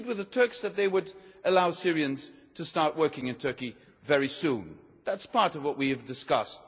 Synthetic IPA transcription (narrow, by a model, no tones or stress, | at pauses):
d̚wɨðətʰɜ˞ksðɨt̪̚ðeɪwəɾʔɨlaʊsɪɹiɨ̃nz̥ | tʰɨstɑɹʔ̚wɜ˞kɪ̃ŋɨ̃ntʰɜ˞ki | vɛɹisũn | ðætspʰɑɹɾʌvwʌʔ̚wiɨvdɨskʌst